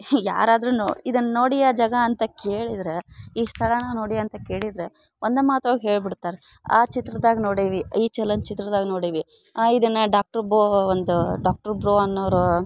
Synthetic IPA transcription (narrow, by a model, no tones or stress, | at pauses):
ja̰ːɾaːd̪ɾunoid̪ɐnːɐnoːɽijaːd͡ʒɐɡɐːnt̪ɐkeːɭid̪ɾeiːʂt̪ʰɐɭɐnɐnoːɽijɐɐnt̪ɐke̞ːɭid̪ɾe | ʔond̪umaːt̪oːɡɦeːɭbiɽt̪ːaːɾe | a̰ːt͡ʃit̪ɾɐd̪aːɡnoːɽiːʋiiːt͡ʃɛlɐnt͡ʃit̪ɾɐd̪aːɡnoːɽiːʋi | aid̪ɐnːɐɖaːk̚ʈɐɾboːond̪uɖaːk̚ʈɐɾbɾoːɐnːoʋɾu